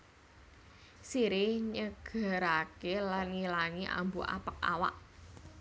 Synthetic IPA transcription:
siɾɪhɲəɡ̥a̤ɾakelanŋilaŋiʔa̰mbuʔa̰pək̚a̰wa̰ʔ

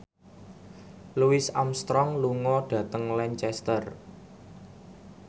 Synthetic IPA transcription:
luɪsamst̪ɾɔŋluŋɔɖ̥ä̤t̪əŋlɛɲt͡ʃɛst̪ər

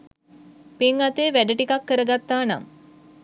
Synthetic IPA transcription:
piŋat̪eːʋæɖəʈikakːəɾəɡat̪ːaːna̰ŋ

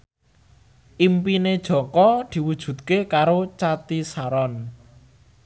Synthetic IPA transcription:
ʔimpined̥ʒ̥ɔ̤kɔd̪̥i̤wud̥ʒ̥ṳt̪̚kekaɾot͡ʃat̪isaɾɔn

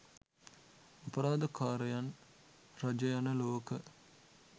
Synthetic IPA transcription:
apəɾaːd̪əkaːɾəjan | rad͡ʒəjanəloːkə

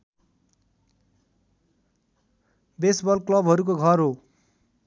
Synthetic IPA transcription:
besbʌlklʌbʱɦʌɾuk̬oɡʱʌrɦo

